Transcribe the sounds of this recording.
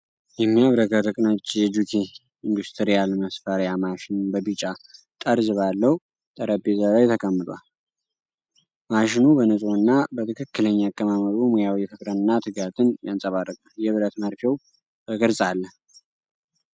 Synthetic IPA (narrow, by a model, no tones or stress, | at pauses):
jɛmːiaβɾəɡəɾəkʼnat͡ʃːjɛd͡ʒukʰi | ind̪ust̪ʰəɾijalməsfəɾjamaʃɪnɨnbəβit͡ʃʼːa | t̪ʼəɾzɨβalːəhu | t̪ʼəɾəbezəβajt̪ʰəkʼəmːɨd̪ʼwal | maʃɪnubənɨsʼoɨnːabət̪ʰɨkʰɨkːɨləɲːakʼːəmaməɾomojawjɛfɨkʼɾəɨnːat̪ʰɨɡat̪ʰɨnjansʼəβarːəkʼəjɛβɨɾət̪məɾfɛw | bəɡəɾsʼalːə